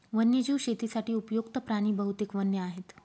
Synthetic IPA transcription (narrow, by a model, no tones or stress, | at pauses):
ʋənjəd͡ʑiʋɕet̪isaʈiːupjokt̪əpɾaɽ̃iːbəɦut̪ikʋənjəaɦet̪